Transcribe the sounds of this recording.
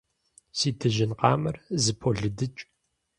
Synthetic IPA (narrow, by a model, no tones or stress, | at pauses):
siːtʰɨʒɪnqɑːmɐrzɨpʰoɮɨdɨt͡ʃʼ